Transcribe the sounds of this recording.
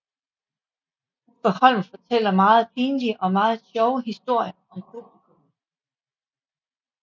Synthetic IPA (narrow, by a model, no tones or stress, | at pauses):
b̥ehɒ̽l̰m̩fɒ̽t͡sʰel̰ɐmɑ̈ːð̞̩ˠpʰiːnliʔɒ̽mɑ̈ːð̞̩ˠɕɒʊəɦisd̥o̝ɐ̰jɐɒ̽mpʰub̥likʰom